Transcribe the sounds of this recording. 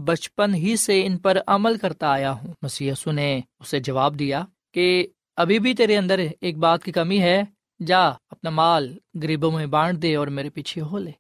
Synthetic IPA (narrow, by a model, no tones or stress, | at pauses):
bɐt͡ʃpənɦiseɪnpəɾɐməlkɐɾt̪aaːjaɦũːmɐsiːjiːsuneʊsed͡ʒɐʋaːb̚d̪ijaː | ke | ɐbʱibʱit̪̬eːɾeɐ̃nd̪əɾeːk̚baːt̪̚kikɐmiɦɛ | d͡ʒaːɐpnamaːlɡɐɾiːbõmẽbãːɽd̪eːɔːɾmeːɾepiːt͡ʃʰeɦoːleː